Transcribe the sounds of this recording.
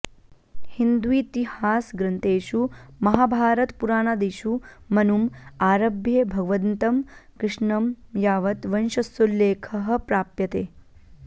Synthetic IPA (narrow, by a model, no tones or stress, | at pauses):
hind̪uiːt̪ihaːsɡɾɐnt̪eːʃumɐɦaːbʱaːɾɐt̪puɾaːnad̪eːʃumɐnumaːɾɐbʱjebʱɐɡʋɐnt̪ɐmkɾɪʂɳɐmjaːʋɐt̪ʋɐnʃɐsulːeːkʰɐɦɐ̆pɾaːpjɐt̪eː